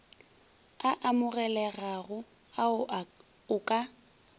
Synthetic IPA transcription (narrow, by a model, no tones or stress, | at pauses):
aʔamʊɣɛlɛɣaɣʊ | aʊ | ʊkʼa